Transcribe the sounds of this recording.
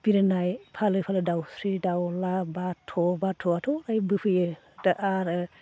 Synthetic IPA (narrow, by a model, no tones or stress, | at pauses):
b̥iɾɯnajpʰalɯpʰalɯdawsɾidawlabatʰɔbatʰɔatʰɔɾajbɯpʰɯjɯ | daʔaɾɯ